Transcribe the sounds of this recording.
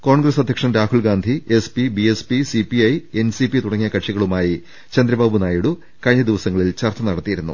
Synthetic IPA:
ko̞ːɳɡɾɐsɐd̪ʱjɐkʂɐmɾaːhuɭɡaːnd̪ʱiespibiespisipiɐje̞nsipit̪uɽɐŋːijɐkɐʈʂiɣɐɭumaːji | t͡ɕɐnd̪ɾɐbaːbunaːjuɽu | kɐɻɲːɐd̪iʋɐsɐŋːɐɭilt͡ɕɐrt̪ːɐnɐɽɐt̪ːijiɾunːṵ

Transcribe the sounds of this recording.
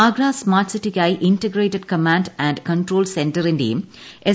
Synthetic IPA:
aːɡɾaːsmaːʈsɪʈikaɪʔɪ̃ɳʈeɡɾeːʈeɖ̚kɐmãɳɖæ̃ɳɖkɐ̃ɳʈɾoːlsẽɳʈəɾĩnɖḭ̃m | ʔe

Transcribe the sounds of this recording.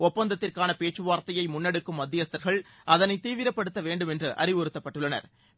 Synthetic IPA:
ɔpːɐnd̪ɐt̪ːɪrkaːnɐpeːʈt͡ʃːɯʋaːɾt̪ɐjɐɪmʊnːɛɽɯkːɯmːɐd̪ːɪjɐst̪ɐɾɣɐɭ | ʔɐðɐnɐɪt̪ːiːʋɪɾɐpːɐɽɯt̪ːɐʋeːɳɖɯmɛndrɯʔɐ̰ɾɪʋɔɾɯt̪ːɐpːɐʈːɯɭːɐnɐ̰ɾ

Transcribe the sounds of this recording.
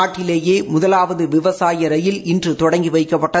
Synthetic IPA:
aːʈːɪleːjeːmʊðɐlaːʋɐðɯʋɪʋɐsaːjɐɾɐjɪlɪndrɯt̪ɔɽɐŋɡiʋɐɪkːɐpːɐʈːɐ

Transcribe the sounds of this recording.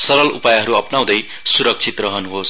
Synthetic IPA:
sʌɾʌlṵpajɦʌɾuʌpnaw̃d̪ʌj | suɾʌk̚t͡sʰit̪rʌɦʌnuɦos

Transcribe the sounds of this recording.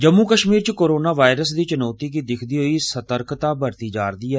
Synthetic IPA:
d͡ʒəmːuːkəʃmiːɾt͡ʃkoːɾoːnaːʋaːɪɾəs̬d̪iːt͡ʃɪnɔːt̪iːk̬id̪ɪkʰd̪iːɦoiːsət̪əɾkt̪aːbəɾt̪iːd͡ʒaːɾd̪iːɦɛː

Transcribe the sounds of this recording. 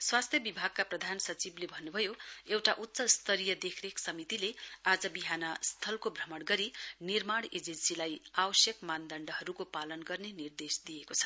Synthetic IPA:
swast̪ʰjʌbibʱaɡ̚kaprʌd̪ʱansʌt͡siblebʱʌnːubʱʌjoewʈaʔut̪ːsʌst̪ʰʌɾijʌd̪ekʰreksʌmit̪ilead͡zʌbiɦanʌst̪ʰʌlkobʱrʌmʌɽɡʌɾinirmaɽed͡zensilajabʌsjʌkmand̪ʌɳɖʌɦʌɾukopalʌnɡʌrnenird̪esd̪ijekot͡sʰʌ̥

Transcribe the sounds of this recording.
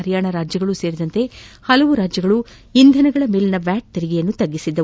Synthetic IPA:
ɐɾjaːɳɐɾaːd͡ʒjɐɡɐɭuse̞ːɾid̪ɐnt̪e̞hɐlɐʋuɾaːd͡ʒjɐɡɐɭu | ind̪ʱɐnɐɡɐɭɐmilinɐʋjaːʈ̚t̪eɾiɡijɐnːut̪ɐɡːisid̪ːɐ

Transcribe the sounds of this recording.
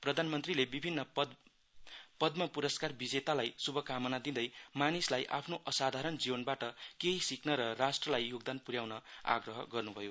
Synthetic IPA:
prʌd̪ʱanmʌnt̪rilebibʱinːʌ | pʌd̪mʌpuɾʌskarbid͡zet̪alajsubʱʌkamʌnad̪ind̪ʌjmanislajʔa̰pʰnoʔʌsad̪ʱaɾʌnd͡zibʌnbaʈʌkeɦisiknʌɾʌrasʈrʌlajːoɡd̪anpuɾjawnʌa̰ɡrʌɦʌɡʌrnubʱʌjo

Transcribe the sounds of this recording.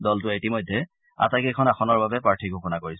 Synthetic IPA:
dɔltʊetimɔjdʱːɛ | a̰takejkʰɔnaxʰɔnɔɹbabɛpɹaɹtʰiɡʱukɔnakoɹis

